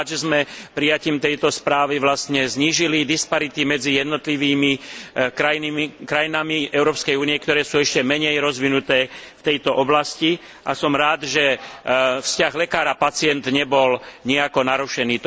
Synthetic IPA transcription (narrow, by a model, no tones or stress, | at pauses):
ʒɛzmɛpɾijaciːmt̪ɛjt̪ɔspɾaːʋiʋlast̪ɲɛzɲiːʒilid̪ispaɾit̪imɛd͡zijɛd̪nɔt̪liʋiːmikɾajinikɾajinamiʔɛʊɾɔːpskɛjuːnijɛkt̪ɔɾɛːsuːɛʃcɛmɛɲɛjɾɔzʋinut̪ɛːft̪ɛjt̪ɔʔɔblasci | ʔasɔmɾaːd̪ʒɛ | fscaɣlɛkaːɾapat͡sɪɛnd̪ɲɛbɔlɲɛakɔnaɾuʃɛniːt̪